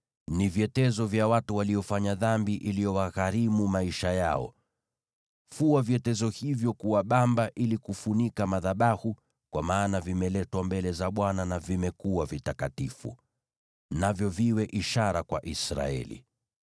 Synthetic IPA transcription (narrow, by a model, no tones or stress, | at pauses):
niviɛtɛzɔvjawatuwalijɔfaɲaðambiʔilijɔwaɣaɾimumaiʃajaɔ̰ | fuavjɛtɛzɔhivjɔkuwaɓambaʔilikufunikamaðaɓahu | kwamaːnavimɛlɛtwambɛlɛzaɓwananavimɛkuwavitakatifṵ | navjɔviwɛʔiʃaɾakwa̰ʔisɾa̰ɛ̰lḭ